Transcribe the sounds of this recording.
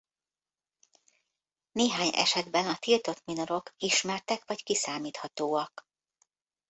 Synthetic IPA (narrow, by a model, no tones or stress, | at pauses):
neːɦaːɲɛ̰ʃɛd̪bɛnɒt̪ilt̪o̞t̪mino̞ɾo̞kiʃmɛrt̪ɛkʋɒckisaːmiːt̪hɒt̪oːɒk